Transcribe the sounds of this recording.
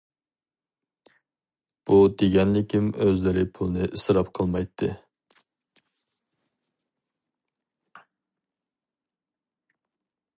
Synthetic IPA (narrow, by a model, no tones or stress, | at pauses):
b̥ud̪eɡʲɛnlɪkʲʰimøzlɪɾɪpʰulˠɨnɨʔisɾɑpqʰəlˠmɑjt̪ʰːɨ